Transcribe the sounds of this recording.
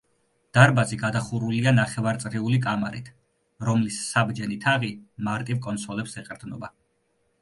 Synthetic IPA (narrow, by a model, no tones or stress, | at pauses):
d̪̥aɾbaziɡad̪aχuɾulianaχɛvaɾt̪sʼɾiulikʼama̰ɾḭt̪ʰ | ɾɔmlisːabd͡ʒɛnit̪ʰaʁimaɾt̪ʼivkʼɔnt̪sɔlɛpsɛqʼɾd̪nɔba